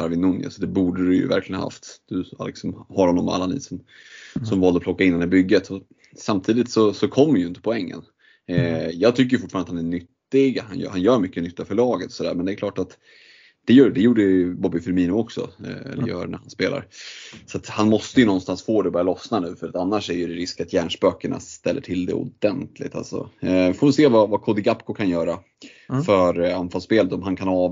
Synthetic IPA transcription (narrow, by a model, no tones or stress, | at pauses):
ɾvɪnːʊnja̰sɔd̪ɛbuːɖəɾɵjɵ̰væ̰ɾklɪɡəna̰a̰ft̪d̪̥ɵa̰lɪ̰ksɔmhaɾhɔnːɔmːa̰lːanḭːsɔm | sɔmvɑːld̪əɔpʰlɔkːaɪnːɛnːəbʏɡːət̪ʰɔ | samt̪ʰiːd̪ɪt̪sɔsɔkʰɔmːəɾjɪnt̪ə̥pʰɔɛŋːə̰n | jɑːɡ̚t̪ʰʏkːəjʏfʊtʈfɑːɳnt̪hanæɳʏt̪ːɪɡhanj̰hanjœːɾmʏkːənʏt̪ːafœɭɑːɡət̪ɔsɔd̪æːɾmɛnd̪ɛːklɑːʈat̪ | d̪̥ɛjœːd̪ɛjuːɖəbɔbːɪfœɾmiːnʊɔksɔ̰ɛ̰lə̰jœ̰ːɾnæ̰ɾhanspeːla̰ɾsat̪hanmɔst̪əjɵnɔnst̪ansfoːd̪ɛɔbœːɾjalɔsnanʉ̟ːfœɾat̪anːaʂæɾjɵdɛɾɪskat̪jæːɳʂpøːkəɳa̰st̪ɛlːəʈʰɪld̪ɛ̰ʊ̰d̪ɛnt̪ʰlɪ̰ɡ̚t̪a̰lsɔ̰foːvɛlseːvavakʰɔd̪ɪɡapkʊkʰanjœːɾa | fœɾanfalspeːlət̪ɔmɦankʰanɑːv